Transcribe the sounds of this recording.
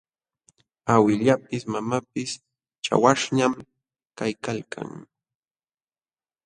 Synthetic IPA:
awɪʎapɪsmamapɪs | t͡ʃa̰waʂɲam | kajkalkʰa̰ŋ

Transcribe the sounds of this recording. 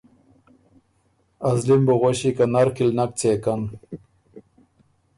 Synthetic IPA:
azlimboɣoɕikanaɾkilnak̚t͡seːkan

